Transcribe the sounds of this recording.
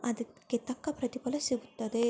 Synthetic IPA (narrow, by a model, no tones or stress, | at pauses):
ɐd̪iket̪ɐkːɐpɾɐt̪ipɐlɐsiɡut̪ːɐd̪e